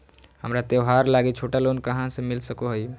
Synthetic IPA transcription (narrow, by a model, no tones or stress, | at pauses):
həmɾat̪eʋɦaɾlaɡet͡ʃʰoːʈalonkəɦãsemɪlsəkoɦəj